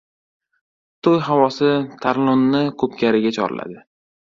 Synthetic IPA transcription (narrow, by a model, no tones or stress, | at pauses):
t̪ʰojɦavɒsɪt̪ʰaɾlˠonːɪkʰɵp̚kʲaɾɪɡʲat͡ʃʰɒ̰ɾɪ̰la̰d̪ɪ